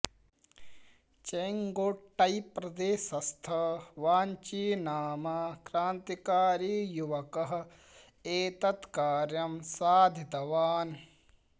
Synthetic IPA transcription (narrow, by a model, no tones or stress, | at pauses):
t͡ʃɐjŋɡoːʈːɐjpɾɐd̪eːʃɐst̪ʰɐʋaːnt͡ʃiːnaːmɐkɾaːnt̪ikaːɾiːjuʋɐkɐɦɐ̆ | eːt̪ɐt̪kaːɾjɐmsaːd̪ʱit̪ɐʋaːn